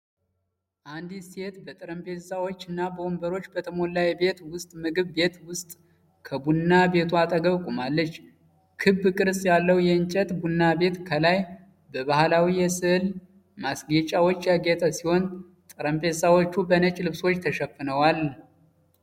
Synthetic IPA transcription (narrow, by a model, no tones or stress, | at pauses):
ʔand̪ise̞t̪bət̪ʼɨɾəmpʰe̞sawo̞t͡ʃːɨnːabəombəɾo̞t͡ʃːbət̪ʰəmo̞lːajbe̞t̪wʊst̪ʼmɨɡɨβbe̞t̪wʊst̪ʼ | kʰəbunːabe̞t̪ʰuat̪ʼəɡəβkʼumalːət͡ʃː | kʰɨbːɨkʼɨɾsʼjalːəwjɛɨnt͡ʃʼɛt̪ʼbunːabe̞t̪kʰəlaj | bəβahlawijɛsɨhl | masɡet͡ʃʼawo̞t͡ʃːjaɡet̪ʰʼəsiho̞n | t̪ʼɨɾəmpʰe̞zawot͡ʃːubənət͡ʃʼlɨβswo̞t͡ʃːt̪ʰəʃɛfːɨnəwal